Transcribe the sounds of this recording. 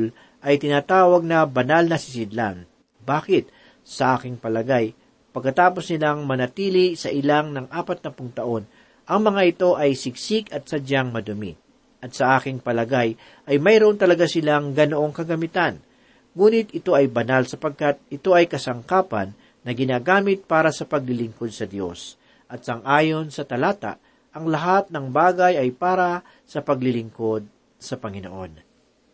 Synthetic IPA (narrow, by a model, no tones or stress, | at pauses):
l | ʔɐjt̪ɪnaːt̪aːwɐɡ̚nɐbɐnalnɐsɪsɪd̪la̰n | baːkɪt̪̚ | sɐʔaːkɪŋpɐlɐɡaj | pɐɡ̚kːɐt̪aːpo̞snɪlaŋmɐnɐt̪iːlisɐʔɪlaŋnɐŋʔaːpɐt̪̚nɐpʊŋt̪ɐʔo̞n | ʔɐŋmɐŋaʔɪt̪o̞ʔɐjsɪɡsɪɡɐt̪̚sɐd͡ʒaŋmɐd̪ʊmɪ̰ | ʔɐt̪̚sɐʔaːkɪŋpɐlɐɡaj | ʔɐjmɐjɾoʔont̪ɐlɐɡasɪlaŋɡɐnoʔo̞ŋkɐɡɐmɪt̪an | ŋuːnɪt̪ɪt̪o̞ʔɐjbɐnalsɐpɐɡ̚kat̪̚ɪt̪o̞ʔɐjkɐsɐŋkaːpɐ̰nː | ɐɡɪnaːɡaːmɪt̪̚paːɾɐsɐpɐɡ̚lɪlɪŋko̞d̪̚sɐd̪jo̞̰s | ʔɐt̪̚sɐŋʔaːjo̞nsɐt̪ɐlaːt̪a̰ʔ | ʔɐŋlɐɦat̪̚nɐŋbaːɡɐjɐjpaːɾɐ | sɐpɐɡ̚lɪlɪŋko̞d̪̚ | sɐpɐŋɪno̰ʔo̞̰n